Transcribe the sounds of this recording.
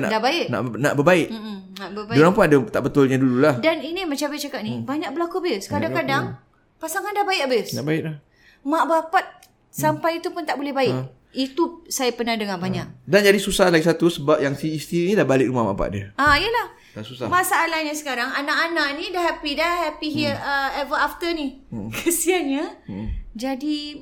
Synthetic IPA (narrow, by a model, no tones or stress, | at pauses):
na̰dabaɪʔna̰ʔnaʔbəbaɪʔm̩ | naʔbəbaoɾaŋpʊnadət̪aʔbət̪ʊlɲadululahdaninimət͡ʃapiʔt͡ʃakat̪̚nibaɲak̚bəlakubəskadakadaŋ | pasaŋandahbaɪʔabəsnaʔbaɪʔlah | mãʔbapat̪̚ | sampajit̪upʊnt̪aʔbolɛhbaɪ | it̪usajapənahdəŋãbaɲaʔ̚dand͡ʒadisusahlaɡisat̪usəbap̚jaŋsiːst̪inĩdabalɪk̚ɾumahma̰pa̰t̪̚diəaijəlah | dasusamasaːlaɲasə̥kaɾaŋanaʔanaʔnĩdaɦɛpidahɛpiɦiəɛvəaft̪ənikʰəsianɲa | d͡ʒadi